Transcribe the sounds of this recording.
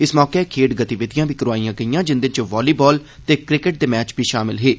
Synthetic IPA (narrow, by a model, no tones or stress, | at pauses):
ɪsmɔːkekʰeːɖɡət̪iʋɪd̪ɪjãːbʱiːkəɾʋaːijãːɡəijãːd͡ʒɪnd̪ɪnt͡ʃʋaːliːbɔːl | t̪eːkɾɪkɪʈ̚d̪eːmɛːt͡ʃbʱiːʃaːmɪlɦeː